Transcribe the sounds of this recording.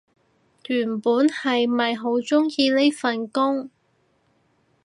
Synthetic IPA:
lyː˨˩npuː˨˥nhɐ˨jmɐ˨jɦo˨˥wt͡sʊ˥ŋjiː˧le˥jfɐ˨nkʊ˥ŋ

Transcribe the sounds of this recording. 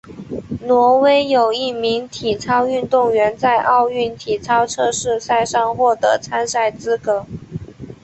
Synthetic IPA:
nwɔ˧˥we˥ɪjo˨˩ʊi˥˩mi˧˥ŋt̪ʰi˨˩t͡sʰɑ˥ʊy˥˧nt̪ʊ˥˩ŋɥɛ˧˥nt͡sa˥˧ɪʔɑ˥˧ʊy˥˩nt̪ʰi˨˩t͡sʰɑ˥ʊʈ͡ʂʰɤ˥ʂɻ̩˥˧sa˥˧ɪʂɑ˥˧ŋxwɔ˥˩t̪ɤ˧˥t͡sʰa˥nsa˥˩ɪt͡sɹ̩˥kɤ˧˥

